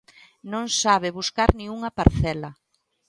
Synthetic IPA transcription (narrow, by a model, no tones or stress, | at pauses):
nõŋsaβɪβuskaɾnĩŋuŋɐpaɾθɛlɐ